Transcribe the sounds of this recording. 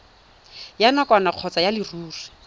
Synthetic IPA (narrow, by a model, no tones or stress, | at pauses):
janakʼwanaq͡χʰɔt͡sajalɪruːri